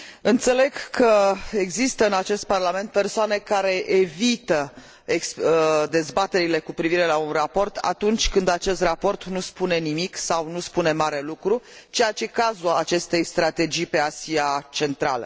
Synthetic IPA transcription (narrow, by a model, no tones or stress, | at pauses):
ɨnt̪se̞le̞ɡkʰəe̞ɡzist̪əɨnat͡ʃe̞st̪̚parlame̞nt̪̚persoane̞kaɾe̞ʔevit̪ə | eksd̪e̞zbat̪e̞ɾile̞kupɾiviɾe̞launrapo̞rt̪ʰa̰t̪unt͡ʃʲkɨnd̪at͡ʃe̞st̪rapo̞rt̪nuspune̞nimiksawnuspune̞maɾe̞lukɾut͡ʃejat͡ʃe̞kazuat͡ʃe̞st̪e̞jst̪ɾat̪e̞d͡ʒijpe̞asiat͡ʃe̞nt̪ɾa̰lə̰